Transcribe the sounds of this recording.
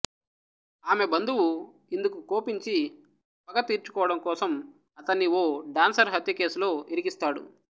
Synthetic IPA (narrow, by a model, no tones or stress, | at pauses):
aːme̞bɐnd̪uwu | ind̪ukukoːpiɲt͡ʃi | pɐɡɐt̪ːiːɾt͡ʃukɔːʋɐɽɐmkɔːsɐm | ɐt̪ɐnːioːɖaːnsɐɾɦɐt̪jɐke̞ːsulo̞ːiɾiɡist̪aːɽṵ